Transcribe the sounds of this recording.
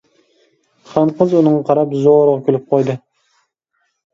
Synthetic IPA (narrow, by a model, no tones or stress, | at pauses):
χɑɴqəzunɨŋqʰɑɾɑpzoɾʁɑkʲʰølyp̚qʰojd̪ɨ